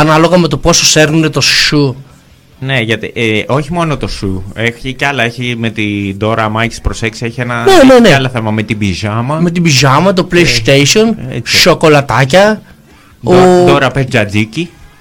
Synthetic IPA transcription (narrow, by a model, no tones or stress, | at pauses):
ɐnɐlo̞ɣɐme̞t̪o̞po̞soseɾnnet̪o̞sʃu | ne̞ʝɐt̪ḭʔeo̞çimo̞not̪o̞sueçicɐlɐeçime̞t̪id̪o̞ɾɐmɐcispɾose̞ksieçienɐneneneɐloθemɐmet̪ibiʒɐmɐme̞t̪̬ibizɐmɐt̪̬o̞pleist̪ejsio̞nḛʃoko̞lɐt̪ɐcɐ | od̪oɾɐpezd͡ʒɐd͡zici